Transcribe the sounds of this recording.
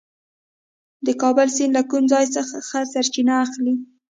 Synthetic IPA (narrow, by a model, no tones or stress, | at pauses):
d̪əkɑbəlsinlakumzɑjsəxaxasaɾt͡ʃinaːxli